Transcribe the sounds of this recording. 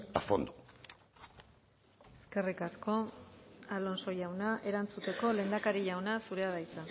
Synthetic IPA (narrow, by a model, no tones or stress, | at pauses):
afond̪u | eske̞rikasko̞ | alo̞nso̞jawnaʔe̞ɾant͡sut̪e̞ko̞le̞nd̪akaɾiʎawnasuɾe̞aðajt͡sa